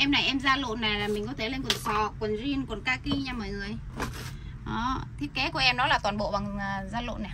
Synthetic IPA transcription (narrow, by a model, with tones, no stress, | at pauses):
ʔɛ˧mna˨˩jʔɛ˧mzaː˧lo̰˧˨nːaː˨˩laː˨˩mï̟˨˩kɔ˨˦t̪ʰle˧nkwə˨˩nsʰɔ˨˩kwə˨˩nzi˧ənkwə˨˩nkaː˧ki˧ɲaː˧mɔ̰˧˨jŋɨ˨˩əj | ʔɔ˨˦t̪ʰi˦˥əp̚ke˨˦ku˧˩əʔɛ˧mnɔ˨˦laː˨˩t̪waː˨˩nɓo̰˧˨va˨˩ŋː˨˩zaː˧lo̰˧˨na˨˩